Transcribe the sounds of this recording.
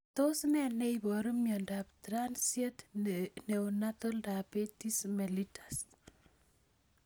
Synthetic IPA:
tosnɛnejbɔɾumjɔndaptɾansjetneunatoldapetismelitʰḁs

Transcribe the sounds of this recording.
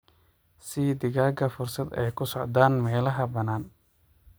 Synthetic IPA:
sɪd̪ɪɣaːɡɐfʊrsɐd̪ɛ̰jkʰʊsɔʕd̪aːnmɛːlɐɦɐbɐnaːn

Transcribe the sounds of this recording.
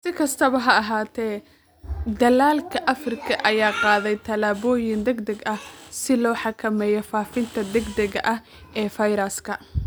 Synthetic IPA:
sɪkʰɐst̪ʰɐβɐɦɐɐɦaːt̪ʰɛː | d̪ɐlaːlkʰɐʔɐfrɪkʰɐʔɐjaːqɑːðɛjt̪ʰɐlaːβɔːjɪnd̪ɛɡd̪ɛɡɐhsɪlɔːħɑkʰɐmɛːjɔfaːfɪnt̪ʰɐd̪ɛɡd̪ɛɣɐʔɐh | ʔɛːfɐjɾɐskʰɐ

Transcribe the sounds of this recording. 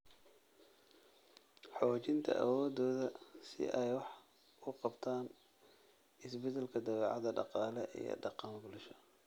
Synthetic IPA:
ħɔːt͡ʃɪnt̪ʰɐ̰ʔɐ̰wɔːd̪ɔːðɐsɪ̰ʔɛjwɑħʰ | ʊqɑbt̪ʰaːn | ɪsbɛd̪ɛlkʰɐd̪ɑβɛːʕɑðɐɖɑqɑːlɛʔḭjɞ̰ɖɑqɑŋɡʊlʃɔ̥

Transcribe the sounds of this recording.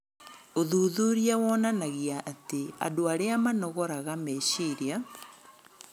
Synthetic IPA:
oðuːðuɾjawɔnanaɣiaʔːtea̰doaɾeamanɔɣɔɾaɣamɛɕiɾia

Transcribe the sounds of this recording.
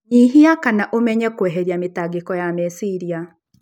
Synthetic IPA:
ɲiɦiakanaʔomɛɲɛkwɛɦeɾjametaɡekɔjamɛsiɾia

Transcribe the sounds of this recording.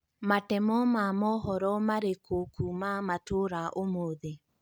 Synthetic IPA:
matɛmɔmamɔɦɔɾɔmaɾekʰokumamatoɾaʔomoðe

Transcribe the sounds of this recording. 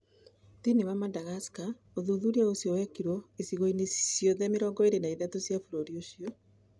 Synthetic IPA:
tiniwamadaɣaska | oðuðuɾiaosjɔwɛkiɾɔesiɣoinesjɔðɛmeɾɔːŋɡɔeɾenaiðatosjafuɾoɾioɕiɔ

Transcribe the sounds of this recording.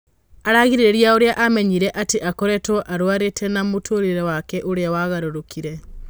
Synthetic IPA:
aɾaɣiɾiɾeɾjaoɾeaʔamɛɲiɾɛʔateʔakɔɾɛtɔʔaɾwaɾetʰɛnamotʰoɾiɾɛwakɛʔoɾeawaɣaɾoɾokʰiɾɛ

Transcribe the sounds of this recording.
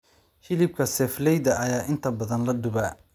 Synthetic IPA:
hɪlɪb̚kʰɐsɛːflɛjdɐʔɐjaːʔɪnt̪ʰɐbɐðɐnlɐd̪ʊβa

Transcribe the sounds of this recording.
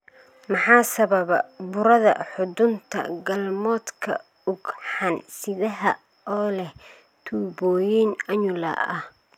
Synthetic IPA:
mɑħɑːsɐβɐβɐbʊɾɐðɐ̰ħʊdʊnt̪ʰɐ̰ɡɐlmɔːd̪kʰɐ̰ | ʊɡħɑnsɪðɐɦɐ | ɔːlɛh | t̪ʰuːbɔːjiːnɐɲʊlɐ̰ʔɐh

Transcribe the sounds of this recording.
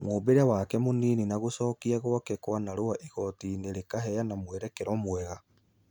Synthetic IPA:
moːbeɾawakɛmoniːninaɣosɔːkiaɣwakɛkwanaɾoaʔiɣɔtineɾekaɦɛjanamwɛɾɛkeɾɔmwɛɣa

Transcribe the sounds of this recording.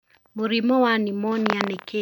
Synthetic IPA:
moɾimɔwanimɔnianɛke

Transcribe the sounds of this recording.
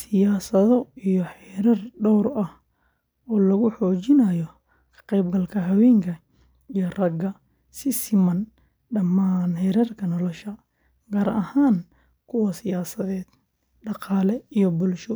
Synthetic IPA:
sɪjaːsɐðɔijɔħɛɾɐrɖɔwɾɐh | ɔːlɐɣʊħɔːt͡ʃɪnɐjɔ | kʰɐ̥qɛjbɡɐlkʰɐɦɐwɛːŋkʰɐ | ijɔrɐɡɐ | sɪsɪmɐn | ɖɐmaːnhɛɾɐrkʰɐnɔlɔʃɐ | ɡɐːɾʔɐhaːn | kʰʊwɐsɪjaːsɐðɛːd̪̥ | ɖɑqɑːlɛijɔbʊlʃɔ

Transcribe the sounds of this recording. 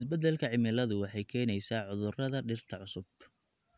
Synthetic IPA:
ɪsbɐd̪ɛlkʰɐʕɪmɪlɐðʊwɑħɑjkʰɛːnɛjsaːʕʊðʊrɐðɐɖɪrt̪ʰɐʕʊsʊb

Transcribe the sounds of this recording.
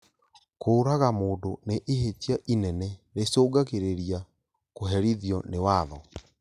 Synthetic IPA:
koːɾaɣamoːdoneʔeɦetiaʔinɛnɛɾesoːɡakeɾeɾia | koɦɛɾiðiɔnewaːðɔ

